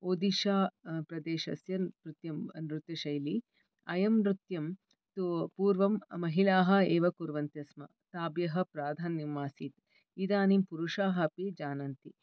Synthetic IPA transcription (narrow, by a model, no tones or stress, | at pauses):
oːd̪iʃaːpɾɐd̪eːʃɐ̰sjɐpɾut̪jɐmnɾut̪jɐʃɐjli | ɐjɐmɾut̪jɐm | t̪upuːɾʋɐmmɐɦilaːɦɐ̆eːʋɐkuɾʋɐnt̪jɐsmɐ̰ | t̪aːbjɐɦɐ̆pɾaːd̪ʱaːnjɐmːaːsiːt̪ | id̪aːnimpuɾuʂaːɦɐpid͡ʒaːnɐnt̪i